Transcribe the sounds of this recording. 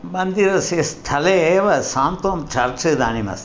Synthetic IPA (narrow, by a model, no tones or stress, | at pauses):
mɐnd̪iɾɐsest̪ʰɐleeːʋɐsaːmt̪omt͡ʃɐɾt͡ʃɐd̪a̰ːnimɐ̰s